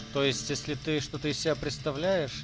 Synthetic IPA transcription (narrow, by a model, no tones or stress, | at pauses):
t̪o̞jɪsʲtʲjesʲlʲɪt̪ɨʂt̪o̞t̪əɪsʲsʲɪbʲæpɾʲɪt̪st̪ɐvlʲæjɪʂ